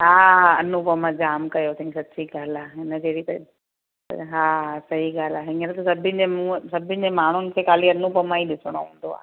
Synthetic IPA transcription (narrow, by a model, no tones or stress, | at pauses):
ɦaːɐnːupəmãd͡ʒaːmkɐjot̪ʰĩŋksɐt̪ːsiɡʱaːlaenəd͡ʒeːɽit̪ɐ̰ | ɦaːsɐɦiɡaːlaɦĩŋɡeɾat̪usɐbʱĩnd͡ʑemũsɐbʱind͡ʑemaːɳ̤unɪsekaːliɐnːupəmãiɗɪsɽ̃o̰ɦũːnd̪oa̰ː